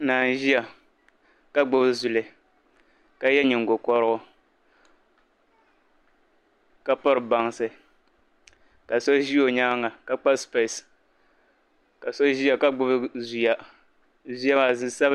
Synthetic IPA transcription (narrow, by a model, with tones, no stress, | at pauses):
naː˨n˨ʒi˦a˨ | ka˦ɡ͡bʊ˦bzu˨lɨ˨ | ka˦jɛ˦ɲɪ˨ŋ̩˨ɡo˨kɔ˦ɾʊ˦ɡʊ˦ | ka˦pɔ˦ɾɨ˨ba˨ŋ˨sɨ˨ | ka˨sɔ˦ʒi˦o˨ɲa˦ŋa˨ka˦k͡pa˦spe˨s | ka˨sɔ˦ʒi˦a˨ka˦ɡ͡bʊ˦bzu˨ja˨ | zu˦ja˦ma˨zɨ˦sa˦b